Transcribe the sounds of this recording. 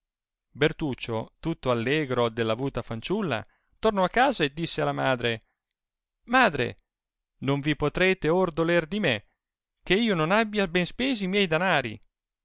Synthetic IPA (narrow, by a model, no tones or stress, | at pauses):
bert̪uːt͡ʃːot̪ut̪ːoalːeːɡɾod̪elːavuːt̪afant͡ʃulːa̰ | t̪ornɔakːaːzaed̪ːisːealːamaːd̪ɾe | maːd̪ɾḛ | noɱvipot̪ɾeːt̪eord̪olerd̪ime | k̟eiːononabːjabɛnspeːzimjɛjd̪anaːɾḭ